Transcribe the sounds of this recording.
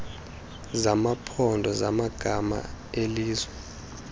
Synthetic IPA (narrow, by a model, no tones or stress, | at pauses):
zamapʰɔndʱɔzamaɡ̥ʱama̰eliːzwɛ